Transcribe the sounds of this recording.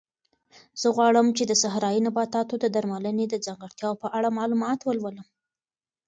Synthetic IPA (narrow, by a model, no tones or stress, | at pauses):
z̥əɣwɑɽəmt͡ʃed̪əsaɦɾɑjinabɑt̪ɑt̪od̪əd̪aɾmaləned̪əd͡zaŋɡəɽt̪jɑwpəʔaɽamɑlumɑt̪wəlwələm